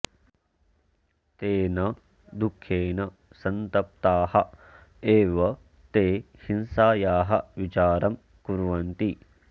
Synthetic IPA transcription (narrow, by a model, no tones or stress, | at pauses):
t̪eːnɐ | d̪ukʰːjeːnɐ | sɐnt̪ɐp̚t̪aːhɐ | eːʋɐ | t̪eː | hinsaːjaːɦɐ̰ʋit͡ʃaːɾɐm | kuɾʋɐnt̪i